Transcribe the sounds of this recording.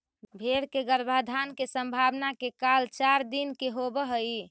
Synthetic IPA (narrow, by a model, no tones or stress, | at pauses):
bʱeɾkeɡəɾbʱad̪ʱankesəmbʱabnakekalt͡ʃaɾd̪inkeɦobəɦəi